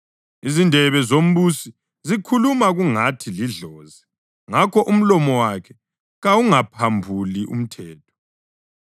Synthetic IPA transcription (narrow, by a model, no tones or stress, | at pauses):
izindʱɛβɛzom̩βusi | zikʰulumaɣuŋatʰiliɮɔːzɛ | ŋakʰɔʔum̩lɔmɔwakʰɛ | ɣawuŋapʰambʱuliʔṵm̩tʰɛːtʰɔ̥